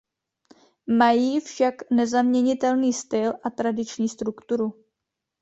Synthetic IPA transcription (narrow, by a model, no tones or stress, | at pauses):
majiːfʃaknɛzamɲɛɲɪt̪ɛlniːst̪ɪlʔat̪ɾadɪt͡ʃɲiːst̪ɾukt̪uɾu